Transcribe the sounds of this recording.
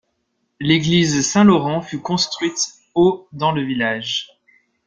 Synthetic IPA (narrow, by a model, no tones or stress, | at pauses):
leɡlizsɛ̃lɔʁɑ̃fykɔ̃st̪χɥit̪ | od̪ɑ̃ləvilaʒ